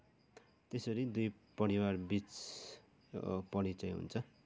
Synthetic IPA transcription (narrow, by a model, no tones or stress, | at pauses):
t̪esʌɾid̪ujpʌɽiwarbit͡s | pʌɽit͡sãj̃ɦṵnt͡sʰʌ